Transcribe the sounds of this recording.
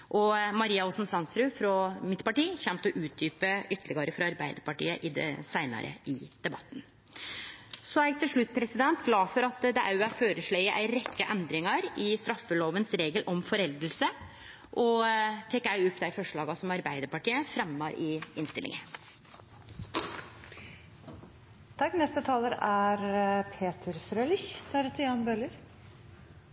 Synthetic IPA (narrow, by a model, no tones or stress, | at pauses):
ʔɔmɑɾiːɑɔsnsɑnsɾʉfɾɔmɪt̪ːpɑʈiːçɛmt̪ɔʔʉːt̪̚d̪yːpəʏt̪ːəlɪɡəɾəfɾɑɑɾbæɪd̪əɾpɑʈḭːə̰ʔɪd̪ɛsæɪnɑ̰ɾʔə̰ʔɪd̪̥ɛbɑ̰t̪ːn | sɔæt̪ʰɪlʂɭʉt̪ːpʰɾɛsɪd̪ɛnt̪ɡlɑːfɔɾɑt̪d̪ɛʔæɾæføːɾəʂɭɛɪəʔæ̰ɪɾɛkːəʔɛnd̪ɾɪŋɑɾɪst̪ɾɑfːəloːʋənsɾeːɡəlʔɔmfɔɾɛld̪əlsə | ʔɔt̪ʰɛkːɑʉʊpːd̪æɪfɔʂɭɑːɡɑsɔmɑɾbæɪd̪əɾpɑʈiːəfɾɛmːɑɾɪɪnst̪ɪlɪ̰ŋə | t̪ʰɑkːnɛst̪ət̪ʰɑːləɾæɾpʰeːt̪ʰəɾfɾøːlɪçd̪ʰæɾət̪ʰəjɑːnbøləɾ